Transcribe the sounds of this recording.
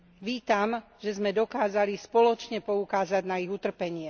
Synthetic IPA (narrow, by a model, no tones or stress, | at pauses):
ʋiːt̪am | ʒ̥ɛzmɛd̪ɔkaːzalispɔlɔt͡ʃɲɛpɔukaːzaɟnaiɣut̪r̩pɛɲɪɛ